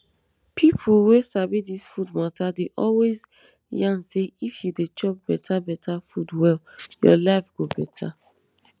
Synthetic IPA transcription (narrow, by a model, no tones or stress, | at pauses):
pʰipʰuwesabidisfud̚wɔtʰadeʔɔlwez | jãnseifjudet͡ʃɔp̚b̥ɛtʰabɛtʰafudwɛljɔ̰laɪfɡobɛtʰa